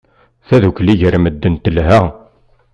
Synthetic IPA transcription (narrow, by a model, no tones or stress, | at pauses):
θæðukːliʝəɾməd̪ːənt̪əlɦæ